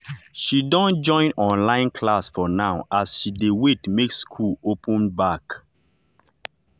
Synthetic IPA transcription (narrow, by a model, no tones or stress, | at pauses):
ʃidɔ̃nd͡ʒɔ̃ɪ̃nɔ̃nlãɪ̃nkʰlasfɔnaʊʔasʃidewetmekskʰulopʰə̃nbak